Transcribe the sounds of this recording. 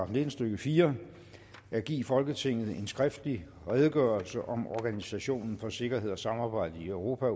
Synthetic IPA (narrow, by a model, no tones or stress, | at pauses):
ɑfne̝d̥n̩sd̥øɡ̥əfiːɐ | æɡ̥ḭːfɒ̽lɡ̥ət͡sʰe̝ŋ̰ð̩ˠe̝nsɡ̥ʁɛfd̥əli | ʁɛð̞ˠəɡ̥ɶːɐlsəʔɒ̽mɒɡ̥ænisæɕo̝̰ːnn̩fɒ̽se̝ɡ̥ɐɦe̝ð̞̰ˠɒ̽sɑ̈mɑ̈ːb̥ɑ̈ɪ̰d̥əiœʊʁo̝ːpʰæ